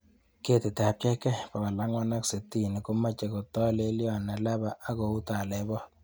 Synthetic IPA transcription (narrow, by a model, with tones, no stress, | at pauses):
ke˦t̪e˨te˨a˨p̚t͡ʃɛ˦kɛ˦pa˨a˨la˨˦ŋwa˦na˦kse˨ti˦˨ni˨ko˦ma˦t͡ʃe˨kɔ˨t̪ɔ˦le˦ljɔ˦˨na˨la˦ba˦ʔa˦ko˨u˦ta˨lɛ˨bɔ˦